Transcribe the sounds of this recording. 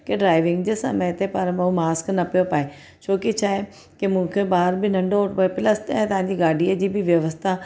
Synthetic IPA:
keɖɾaːɪʋɪ̃ŋɡd͡ʑesɐ̰meɦt̪epɐɾmɐũmaːsknɐpijopaːe | t͡ɕʰoːkit͡ɕʰaːɦe | kemũːkʰebaːɾbɪnɐ̃ɳɖopːepɪlɐsɛ̃ːt̪ɐʋ̤ãɲd͡ʑiɡaːɖʱiəd͡ʑiːbɪʋjɐʋəst̪ʰa

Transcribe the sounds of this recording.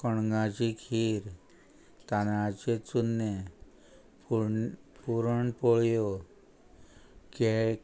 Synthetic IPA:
kɔɳŋɡat͡ʃikʰiːɾ | t̪anat͡ʃet͡sunːe | puɾəɳpoɭjo | ke

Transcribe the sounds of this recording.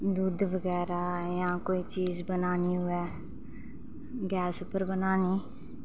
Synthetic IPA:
d̪uːd̪ʋəɡɛːɾaːjãːkoːiːt͡ʃiːzbənaːniːɦʊɛː | ɡɛːsʊpːəɾbənaːniː

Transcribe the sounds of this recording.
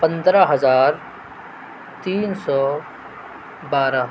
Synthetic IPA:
pɐ̃nd̪ɾaɦɐzaːɾ | t̪iːnsɔː | baːɾa

